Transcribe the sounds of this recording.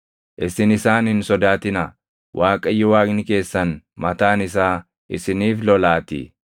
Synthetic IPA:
ʔɪsɪnɪsaːnhɪnsɔd̪aːt̪ɪnɐ | wʔaːkʼɐjːɪwaːknɪke̞ːsːɐnmɐt̪aːnɪsaː | ʔɪsɪniːflɔlaːt̪ɪ̰

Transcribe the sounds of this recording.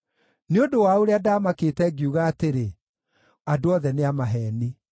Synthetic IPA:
neodowaoɾeadaːmaketɛɡiuɣaːteɾe | adoɔðɛneamaɦɛːni

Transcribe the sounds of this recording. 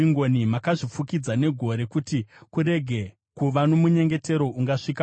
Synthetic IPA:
iŋɡonimakaʐifukid͡zane̞ɡʱo̞ɾe̞kutikuɾe̞ɡʱe̞ | kuʋano̞muɲe̞ŋɡe̞te̞ɾo̞ʔuŋɡaʂika

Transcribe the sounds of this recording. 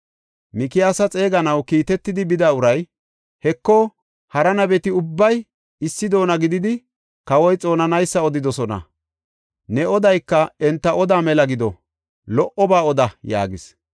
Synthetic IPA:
mɪkɪasɐt͡sʼe̞ːɡɐnɐwkiːt̪ɛt̪ːɪd̪ɪbɪd̪aːʊɾɐj | hɛkːɔ | hɐɾɐnɐbɛt̪ɪʊbːɐj | ɪsːɪd̪o̞ːnɐɡɪd̪ɪd̪ɪ | kɐwɔjt͡sʼo̞ːnɐnɐjsːɐɔd̪ɪd̪ɔsɔnɐ̰ | nɛɔd̪ɐjkːɐɛnt̪ːɐʔɔd̪aːmɛlɐɡɪd̪ɔ | lɔʔɔbaːɔd̪ɐja̰ːɡɪs

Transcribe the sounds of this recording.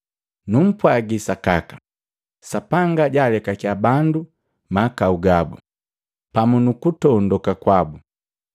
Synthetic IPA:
num̩pwaɡisakakḁ | sapaŋɡaɟaːlɛkakjabandu | makauɡabṵ | pamunukutɔndɔkakwabu

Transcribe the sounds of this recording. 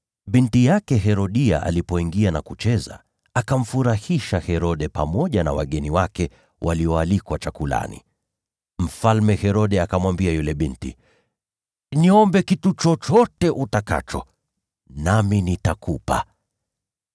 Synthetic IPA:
ɓintijakɛɦɛɾɔɗia̰ʔa̰lipɔiŋɡianakut͡ʃɛza̰ | akam̩fuɾahiʃahɛɾɔɗɛpa̰mɔʄana̰waɠɛniwakɛ | wʔaliɔalikwat͡ʃakula̰nḭ | m̩falmɛhɛɾɔɗɛakamwambiajulɛɓintḭ | niɔmbɛkitut͡ʃɔt͡ʃɔtɛʔutaka̰t͡ʃɔ | naminitakupa̰

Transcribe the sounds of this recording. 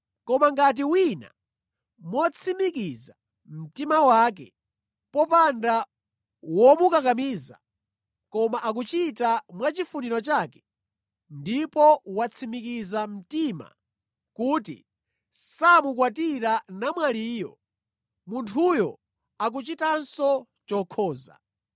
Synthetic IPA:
kɔmaŋɡat̬iwina̰ | mɔt͡sʰimikiza | m̩timawaːk̬ɛ̰ | pɔpanda | wɔmukakamiːza̰ | kɔmaʔak̬ut͡ʃitamwat͡ʃifuniɾɔt͡ʃaːkɛ̥ | ndipɔwat͡sʰimikizam̩tima̰ | kuːtḭ | samukwatiɾanamwaliːjɔ̰ | muntʰujɔ̰ | ak̬ut͡ʃitansɔ | t͡ʃɔkʰɔːza̰

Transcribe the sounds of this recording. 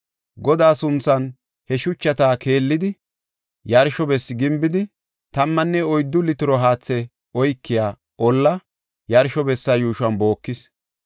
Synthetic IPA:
ɡɔd̪aːsʊnt͡sːɐn | hɛʃʊt͡ʃːɐt̪aːke̞ːlːɪd̪ɪ | jɐɾʃɔbɛsːɪɡɪmbɪd̪ɪ | t̪ɐmːɐnːɛɔjd̪ːʊlɪt̪ɪɾɔɦaːt͡sːɛ | ɔjkːɪjaː | ɔlːɐ | jɐɾʃɔbɛsːɐjuːʃʊɐnbo̞ːkːɪs

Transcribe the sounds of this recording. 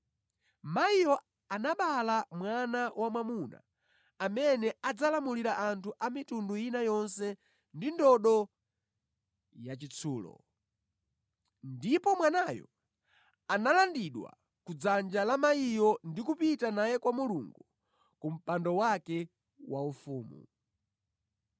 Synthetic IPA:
maijɔ | anaɓalamwanawʔamwamuna̰ː | mɛnɛad͡zalamuliɾaʔantʰuʔamitundujinajɔnsɛ | ndindɔɗɔ | jat͡ʃit͡sʰuːlɔ̰ | ndipɔmwanajɔ̰ | analandiɗwa̰ | kud͡zand͡ʒalamaijɔndikupitanajɛkwamuluŋɡu | kum̩pandɔwakɛ | waufuːmṵ

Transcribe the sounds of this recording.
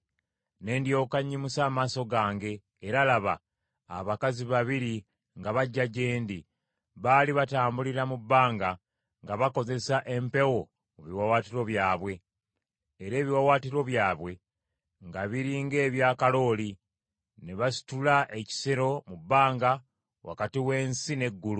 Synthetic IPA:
ne̞ːndjo̞ːkaɲːimusaːmaːso̞ɡaːŋɡe̞ː | ɾalaβa̰ː | βakaziβaβiɾi | ŋɡaβaɟːaɟeːndi | βaːliβataːmbuliɾamubːaːŋɡa | ŋɡaβako̞ze̞saʔe̞mpe̞wo̞ | oβiwawaːtiɾo̞βjaːβwe̞ː | ɾe̞ːβiwawaːtiɾo̞βjaːβwe̞ | ŋɡaβiɾiŋɡe̞ːβjaːkalo̞ːli | neβasi̥tulaʔe̞ci̥seɾo̞mubːaːŋɡa | wa̰katiwe̞ːnsine̞ɡːulu

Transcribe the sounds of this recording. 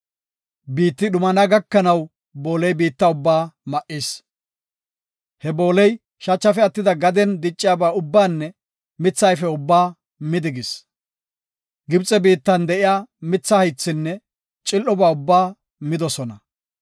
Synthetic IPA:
biːt̪ːɪɗʊmɐnaɡɐkːɐnɐw | bo̞ːlɛjbiːt̪ːɐʊbːaːmɐʔiːs | hɛbo̞ːlɛj | ʃɐt͡ʃːɐfɛɐt̪ːɪd̪ɐɡɐd̪ɛnd̪ɪt͡ʃʼːɪjaːbaːʊbːaːnːɛ | mɪt͡sːɐjfɛʊbːaː | mɪd̪ɪɡɪs | ɡɪbt͡sʼɛbiːt̪ːɐnd̪ɛʔɪjaːmɪt͡sːɐhɐjt͡sːɪnːɛ | t͡ʃʼɪlʔːɔbaːʊbːaː | mɪd̪ɔsɔnɐ

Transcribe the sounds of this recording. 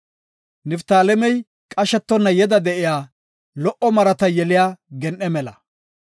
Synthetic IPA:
nɪft̪aːlɛmɛj | kʼɐʃɛt̪ːɔnːɐjɛd̪ɐd̪ɛʔɪjaː | lɔʔɔmɐɾɐt̪ɐjɛlɪjaːɡɛnʔɛmɛlɐ̰

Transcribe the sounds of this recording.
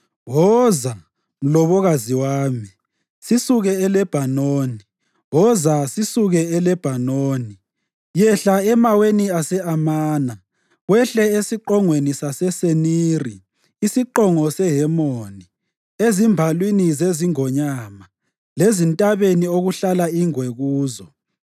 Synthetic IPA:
ɣɔza | m̩lɔβɔɣaziwaːmi | sisuɣɛɛlɛb̥ʱanoːni | wɔzasisuɣɛɛlɛb̥ʱanoːni | jɛɬaɛmaweniasɛamaːna | ɣwɛɬɛesiǃɔŋwenisasɛseniːriː | siǃɔŋɔsɛɦɛmoni | ezimbʱalwinizeziŋɔɲaːma | lezintʼaβenioɣuɬalaiŋweɣuːzɔ

